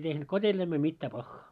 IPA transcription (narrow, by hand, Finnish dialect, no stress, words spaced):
tehnut kotʲelːæimel mitːɑ pɑxːɑː